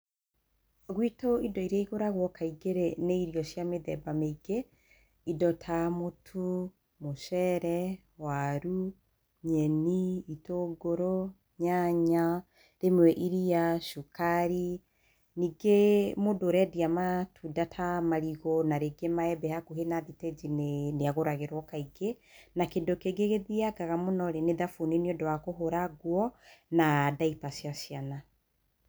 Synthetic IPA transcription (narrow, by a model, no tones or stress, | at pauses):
ɣwitoidɔiɾaiɣoɾaɣwɔkaiɡeɾeneiɾijɔʃjameðɛbameiɡe | idɔtʰamotʰu | moʃɛɾɛ | waɾu | ɲɛniitoɡoɾo | ɲaɲa | ɾemwɛʔiɾiaʃukaɾi | niɡemodoɾɛdiamatʰudatʰamaɾiɣɔnaɾeɡemaɛbɛhakuɦenaðitɛd͡ʒinneaɣoɾaɣeɾwɔkaiɡenakendokeɡeɣeðiaɡaɣamonɔɾeneðafoniniɔdowakoɦoɾaɡwɔnadaipasjasijana